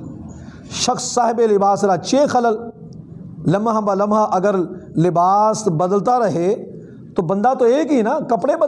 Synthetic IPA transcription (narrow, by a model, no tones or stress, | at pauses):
ʃɐxsːaːɦɪbelɪbaːsɾat͡ʃeːxɐləl | lɐmɦãbalɐmɦaʔɐɡəɾlɪbaːsbɐd̪əlt̪aɾɐɦe | t̪obɐ̃nd̪at̪oeːkɦiːnakɐpɽebɐ